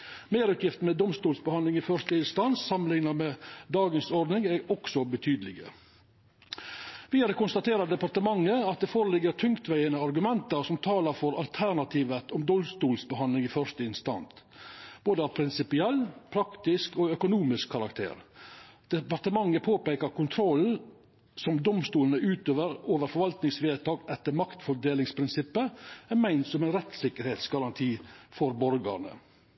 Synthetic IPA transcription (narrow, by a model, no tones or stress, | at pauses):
meːɾʉːt̪jɪft̪n̩mɛd̪ɔmst̪uːlsbəhɑndlɪŋɪfœɾʂt̪əɪnst̪ɑnsːɑmənɪŋnɑmɛd̪ɑːɡənsɔɾd̪nɪŋæɾɔksɔbət̪ʰyːd̪əlɪɡə̰ | ʋiːɑɾəkʊnst̪ɑt̪ʰeːɾɑd̪ɛpɑɾt̪əmɑŋːəɑt̪̚d̪ɛfoːɾəlɪɡːəɾt̪ʰʉŋkt̪ʋæɪənəɑɾɡʉmɛnt̪əɾsɔmt̪ʰɑːləɾfɔɾɑ̰lt̪ʰæɾɳɑt̪ʰiːʋət̪ɔmd̪ɔmst̪uːlsbəhɑnlɪŋɪfœɾʂt̪əɪnst̪ɑ̰nt̪ | b̥oːd̪əɑpʰɾɪnsɪpɪɛlːpʰɾɑkt̪ɪskɔœkʊnuːmɪskʰːɑɾɑkt̪ʰḛːɾd̪̥ɛpɑɾʈ̪əmɑŋːəpʰoːpeːkəɾkʊnt̪ʰɾɔlː | sɔmd̪ɔmst̪uːlənəʉːt̪øːʋəɾoːʋəɾfɔɾʋɑlt̪nɪŋsʋeːt̪ʰɑːɡɛt̪ːəɾmɑkt̪fɔd̪eːlɪŋspʰɾɪnsɪpːəæmæɪnt̪sɔmæɪnɾɛt̪sɪkːəɾheːt̪sɡɑɾɑnt̪ʰiːfɔɾbɔɾɡɑ̰ɾɳə̰